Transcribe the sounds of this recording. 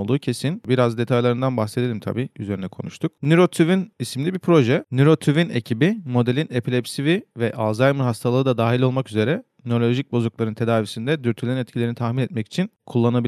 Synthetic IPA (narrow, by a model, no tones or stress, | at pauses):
lˠd̪uːcʰe̞sinbiɾazd̪e̞t̪ʰajlˠaɾɯnd̪anbaxsed̪elʲimt̪ʰa̰biːyze̞ɾinɛkʰo̞nuʃt̪ʰuk̚nyɾo̞t̪ʰyvinismilʲibipʰɾo̞ʒɛnyɾo̞t̪ʰyvine̞cʰibimo̞d̪elʲine̞pʰilʲɛpsivivɛʔazajmɯɾɦast̪ʰalˠɯɯd̪ad̪aːɦilʲo̞lˠmakyze̞ɾɛ | nolʲo̞ʒic̚bo̞zuklˠaɾɯnt̪ʰe̞d̪aːvisind̪ɛd̪yɾt̪ʰylʲeɾnɛt̪cʰilʲeɾnit̪ʰaxminɛt̪̚mɛci̥t͡ʃʰinkʰulˠːanabi